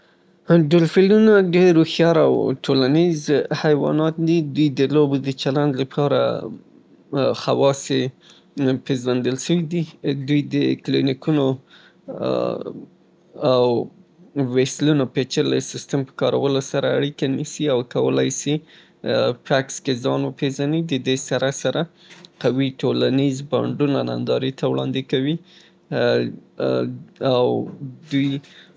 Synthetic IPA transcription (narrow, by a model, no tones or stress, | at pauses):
ɖʊlfilunaɖeɾːoxjɑɾa̰wʈʰolanizhajwɑ̰nɑt̪d̪id̪ujd̪əlobod̪ət͡ʃaland̪lapʰɑɾa̰ | xawɑse | pezwand̪əlʃəwid̪id̪ujd̪əklinikuno | awː | eslunopet͡ʃəɾlajsɪst̪əmpə̥kɑɾawəlosaɾaːɽikanisiawkawə̰lajsi | fakskezɑnwəpeʒanid̪əd̪esaɾasaɾa | qawiʈolanizba̰ɳɖunana̰nd̪ɑɾit̪awɽɑ̰nd̪ɪkawi | awd̪uj